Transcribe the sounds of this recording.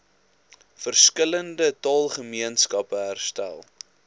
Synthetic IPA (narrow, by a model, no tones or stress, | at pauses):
fərskələndətɑːlˠχəmiənskɐpəɦærstæ̰lˠ